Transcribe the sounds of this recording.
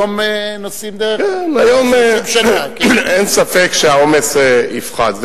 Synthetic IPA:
omenosimd̪akɛnajom | ensafekʃeaomeseifχa̰dz

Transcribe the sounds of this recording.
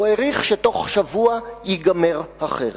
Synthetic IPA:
eʁiχʃeto̞χʃavuajiɡameʁhaχḛʁ

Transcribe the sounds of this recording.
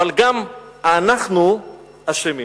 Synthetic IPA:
alɡam | anaχnu | aʃemi

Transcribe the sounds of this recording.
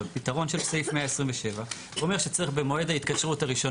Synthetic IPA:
pit̪aʁo̞nʃe̞lsejfmeaesʁimveʃe̞va | uome̞ʁʃet͡seeχbemo̞ed̪ait̪kaʃʁutaʁiʃo̞

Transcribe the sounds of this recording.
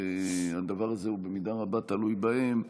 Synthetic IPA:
ead̪avaʁaze̞ube̞mid̪aʁabat̪alujbahe̞m

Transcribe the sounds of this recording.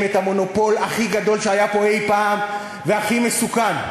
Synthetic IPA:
met̪amo̞no̞po̞laχiɡad̪o̞lʃeajapo̞ejpaːm | veaχimesukan

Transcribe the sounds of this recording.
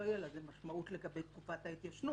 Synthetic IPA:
ojelazemaʃmaut̪leɡabe̞jt̪kufat̪ajit̪jaʃnu

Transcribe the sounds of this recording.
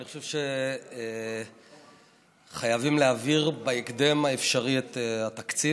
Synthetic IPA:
niχoʃevʃe | χajavimleaviʁbaekd̪e̞maefʃaʁiet̪at̪akt͡si

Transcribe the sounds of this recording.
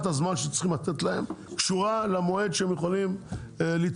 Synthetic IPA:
t̪azmanʃet͡si̥χimlat̪et̪laemkʃuʁalamoed̪ʃeemjeχolimlit͡s

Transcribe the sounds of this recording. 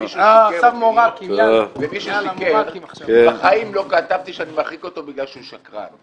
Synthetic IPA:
miʃueoakvemiʃuʃikelkbaχaimlo̞kat̪avt̪iʃeanimaχiko̞t̪o̞biɡlalʃeuʃakʁa̰n

